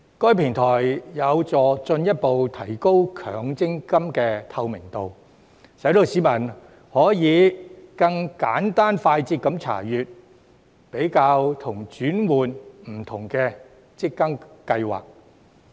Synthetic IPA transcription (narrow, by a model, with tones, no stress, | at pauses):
kɔː˥jpʰɪ˨˩ŋt̪ʰɔː˨˩jjɐ˨˧wt͡sɔː˨t͡sɵ˧njɐ˥t̚po˨wt̪ʰɐ˨˩jko˥wkʰœ̰ː˨˩ŋt͡sɪ˥ŋkɐ˥mkɛː˧t̪ʰɐ˧wmɪ˨˩ŋt̪o˨w | sɐ˨˥jt̪o˨˧siː˨˥mɐ˨˩n | hɔː˨˥jiː˨˧kɐ˧ŋka̰ː˨˥nt̪aː˥nfaː˧jt͡siː˧kːɐ˨˧˥mt͡sʰa̰ː˨˩jyː˨t̚ | pe˨˥jkaː˧wt̪ʰʊ˨˩ŋt͡ʃyː˨˥nwuː˨nm̩˨˩t̪ʰʊ˨˩ŋkɛː˧ | t͡sɪ˥kːɐ˥ŋkɐ˧jwa̰ː˨k̚